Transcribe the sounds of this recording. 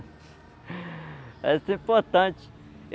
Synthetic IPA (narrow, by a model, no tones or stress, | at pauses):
ɛsĩpoɾt̪ɐ̃t͡ʃ